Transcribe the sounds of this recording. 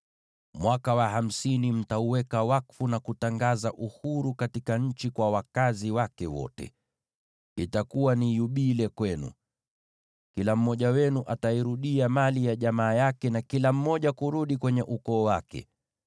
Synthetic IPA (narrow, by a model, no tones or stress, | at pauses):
mwakawaɦam̩sinim̩tauwɛkawakfunakutaŋɡazaʔuhuɾukatikaɲ̩t͡ʃikwawakaziwakɛwɔ̰tɛ̰ | itakuwanijuɓilɛkwɛnṵ | kilam̩mɔʄawɛnuʔataiɾuɗiamalijaʄamaːjakɛnakilam̩mɔʄakuɾuɗikwɛɲɛʔukɔːwakɛ̰